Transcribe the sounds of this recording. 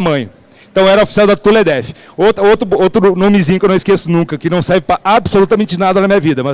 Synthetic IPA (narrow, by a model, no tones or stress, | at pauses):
mɐ̃j̃ʊ | ẽt̪ɐ̃w̃ɛɾɐofi̥siawd̪ɐt̪uled̪ɛfɪ̥owt̪ɾɐowt̪ɾʊowt̪ɾʊnõmizĩɲ̃ʊkewnɐ̃w̃skesʊnũkɐkɪnɐ̃w̃sɛɾvɪpɾɐʔabsolut̪ɐmẽnt͡ʃɪnad̪ɐnɐmĩɲɐvid̪ɐmɐ